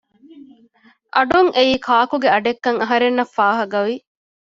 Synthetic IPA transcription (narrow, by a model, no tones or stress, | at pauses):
ʔɐɖuŋʔeiːkʰaːkuɡeɐɖekːɐŋɐɦɐɾenːɐfːaːɦɐɡɐʋi